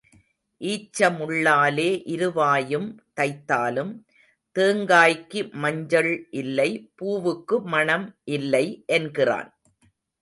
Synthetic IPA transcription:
ʔiːt͡ʃːɐmʊɭːaːleːʔɪɾɯʋaːjɯmt̪ɐɪt̪ːaːlɯm | t̪eːŋɡaːjkːimɐɲd͡ʒɐɭʔɪlːɐɪpuːʋɯkːɯmɐɳɐmʔɪlːɐɪʔɛnɡɪra̰ːn

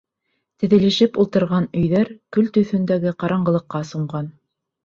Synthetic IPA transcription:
t̪ɘ̆ðɘ̆lɘ̆ʃɘpulˠt̪ɤ̆ɾʁɑnɵ̆jðæɾkɵlt̪ɵ̆θɵ̆nd̪æɡɘqɑɾɑɴɢɤ̆lˠɤ̆qːɑsuɴɢɑn

